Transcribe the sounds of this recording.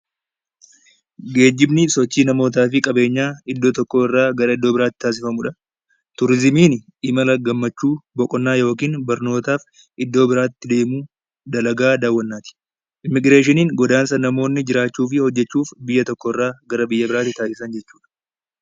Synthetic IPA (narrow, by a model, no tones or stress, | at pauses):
ɡe̞ːd͡ʒːɪbnɪsɔt͡ʃːiːnɐmo̞ːt̪̬aːfɪkʼɐbe̞ːɲːaːɪd̪ːo̞ːt̪ɔkːo̞ːɪrːaːɡɐɾɐɪd̪ːo̞ːbɪɾaːt̪ːɪ̥t̪aːs̬ɪfɐmʊᶑɐ | t̪ʊɾɪzmiːn | ɪmɐlɐɡɐmːɐt͡ʃːuːbɔkʼɔnːaːjo̞ːkiːnbɐɾno̞ːt̪aːf | ʔɪd̪ːo̞ːbɪɾaːt̪ːɪd̪e̞ːmuː | d̪ɐlɐɡaːd̪aːwːɐnːaːt̪ɪ̥ | ʔɪmːɪɡɾeːʃ̬ɪniːŋɡɔd̪aːnsɐnɐmo̞ːnːɪd͡ʒɪɾaːt͡ʃːuːfɪhɔd͡ʒːɛt͡ʃːuːfbɪjːɐt̪ɔkːoːɪrːaːɡɐɾɐbɪjːɐbɪɾaːt̪ːɪt̪aːsɪsɐnd͡ʒɛt͡ʃːuːᶑɐ̥